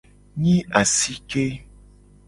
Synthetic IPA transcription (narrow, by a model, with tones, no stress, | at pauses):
ɲĩ˦a˨si˦ke˦